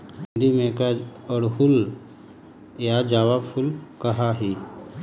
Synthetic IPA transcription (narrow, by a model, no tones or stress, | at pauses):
ɖimẽkaɔɽɦul | jad͡ʒaʋabfʰulkəɦaɦi